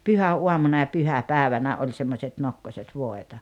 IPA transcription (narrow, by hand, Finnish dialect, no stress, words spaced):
pyhæuɑmunɑ jɑ pyhæpæːĕʋænæ olʲ semːosʲet nokːoset ʋoˑetɑ